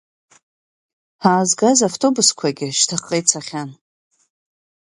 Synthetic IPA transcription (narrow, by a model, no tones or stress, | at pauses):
aːzɡazaftʰo̞buskʷʰaɡʲɪʃtʰaχʼejt͡sʰaχʲan